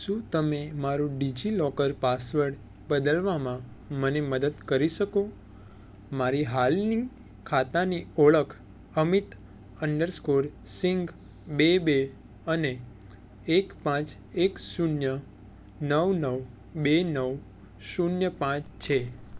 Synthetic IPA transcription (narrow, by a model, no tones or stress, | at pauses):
ʃũt̪əmemaɾũɖid͡ʒilɔkəɾpasʋəɖ | bəd̪əlʋamã | məneməd̪əd̪kəɾiʃəko | maɾiɦalni | kʰat̪anioɭəkʰ | əmit̪ | əɳɖəɾskoɾsiŋɡ | bebe | əneː | kpãt͡ʃ | eksunjə | nəwnəw | benəw | sunjəpãt͡ʃt͡ʃʰe